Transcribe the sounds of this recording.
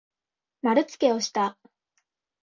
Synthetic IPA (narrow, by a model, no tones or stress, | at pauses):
maɾɯ̟t͡sɨ̥ke̞o̞ɕi̥t̪a